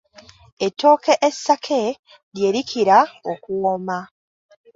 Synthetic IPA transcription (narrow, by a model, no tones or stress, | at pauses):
etːo̞ːkeʔesːakʰe̞ | ɾje̞ːɾikʰiɾaokuwoma